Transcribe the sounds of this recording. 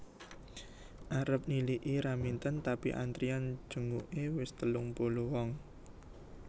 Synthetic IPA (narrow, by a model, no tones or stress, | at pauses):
ʔaɾəp̚niliʔiɾamint̪ənt̪apiʔa̰nt̪ɾiand̥ʒ̥ṳŋuʔewɪst̪əlʊŋpoluwɔŋ